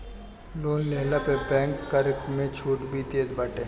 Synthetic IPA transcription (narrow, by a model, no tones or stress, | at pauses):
loːnleɦlapebɛ̃ːŋkːəɾkmẽt͡ʃʰuːʈbʱit̪eːd̪baːʈeː